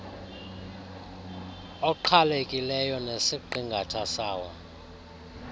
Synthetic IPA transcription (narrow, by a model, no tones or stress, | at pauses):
ɔǃʰalekʼilɛjɔnesiǃiŋɡʱatʰasaːwɔ